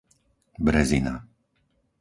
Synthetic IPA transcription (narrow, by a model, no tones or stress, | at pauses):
bɾɛzina̰